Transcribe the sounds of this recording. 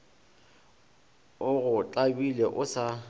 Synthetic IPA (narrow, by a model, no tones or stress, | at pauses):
ʊɣʊt͡ɬʼabilɛʔʊsa